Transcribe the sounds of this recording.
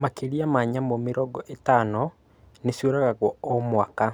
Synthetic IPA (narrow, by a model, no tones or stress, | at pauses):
makeɾiamaɲamomeɾɔɡɔʔetaːnɔ | nesjoɾaɣaɣwɔɔmwaːka